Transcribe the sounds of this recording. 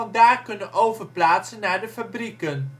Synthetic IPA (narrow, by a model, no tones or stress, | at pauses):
ɑndaːrkɵnənʔowvərplaːtsənːaːrdəfɐbrikən